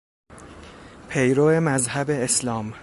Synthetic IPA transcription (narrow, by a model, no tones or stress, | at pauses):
pʰejɾoːemæzhæbeːslɒːm